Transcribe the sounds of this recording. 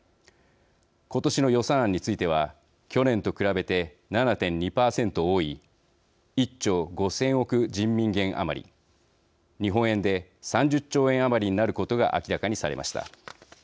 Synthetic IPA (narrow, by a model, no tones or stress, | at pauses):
ko̞t̪o̞ɕino̞jo̞sãːɲ̟ːit͡sɨit̪e̞β̞a | kʲo̞nẽ̞nt̪o̞kɯ̟ɾabe̞t̪e̞ | nanat̪ẽ̞ɲɲipaːsẽ̞nt̪ooːi | it͡ɕːo̞ːɡo̞sẽ̞ɰ̃o̞kɯ̟d͡ʑĩmːʲĩŋɡẽ̞ɰ̃ʔa̰ma̰ɾʲḭ | ɲ̟iɦõ̞ɰ̃ẽ̞nd̪e̞sãɲ̟d͡ʑɨt͡ɕːo̞ːẽ̞ɰ̃amaɾʲiɲ̟inaɾɯ̟ko̞t̪o̞ɡa̰ʔa̰kʲiɾakaɲ̟isaɾe̞mʔa̰ɕi̥t̪a̰